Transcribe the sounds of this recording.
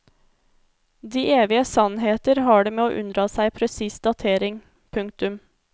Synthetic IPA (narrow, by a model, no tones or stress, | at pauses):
d̪iːʔeːʋɪəsɑnɦeːt̪əɾhɑːɖeːmeːo̰ːʔʉnd̪ɾɑːsæɪpʰɾɛsiːsd̪ɑt̪ʰeːɾɪŋ | pʰʉŋkt̪ʉm